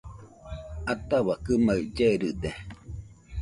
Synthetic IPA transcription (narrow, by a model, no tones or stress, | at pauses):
at̪aβakɨmaɯd͡ʒeɾɯd̪e